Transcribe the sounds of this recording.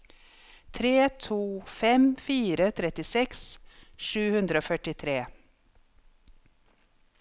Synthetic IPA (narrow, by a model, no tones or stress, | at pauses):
t̪ʰɾeːt̪ʰuːfɛmfiːɾət̪ʰɾɛt̪ɪsɛksʃʉːhʉnd̪ɾəoːfœʈɪt̪ʰɾeː